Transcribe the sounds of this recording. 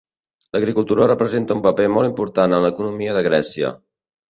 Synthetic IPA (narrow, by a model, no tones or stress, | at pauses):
ləɣɾikulˠt̪uɾərəpɾəzent̪əumpəpemɔlˠimpuɾt̪anənləkunumiəðəɣɾɛsiə̰